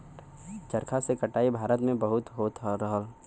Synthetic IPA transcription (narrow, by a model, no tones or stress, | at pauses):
t͡ʃəɾkʰasekəʈaːibʱaːɾət̪mẽbəɦʊt̪ɦoːt̪əɾəɦəl